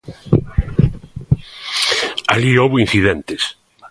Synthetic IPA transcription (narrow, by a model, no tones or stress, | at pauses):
a̰liowβoĩn̟θiðẽnt̪es